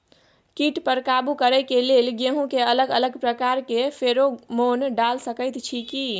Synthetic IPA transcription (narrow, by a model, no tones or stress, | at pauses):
kiʈpəɾkabukəɾəjkelelɡeɦũkeələɡələɡpɾəkaɾkefʰeɾomonɖalsəkəjt̪t͡ʃʰiki